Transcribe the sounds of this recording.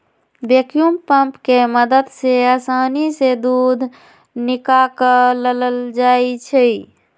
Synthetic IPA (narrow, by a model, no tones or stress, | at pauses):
bekjumpəmpkeməd̪əd̪seasanised̪ud̪ʱ | nikakələləld͡ʒajt͡ʃʰɛj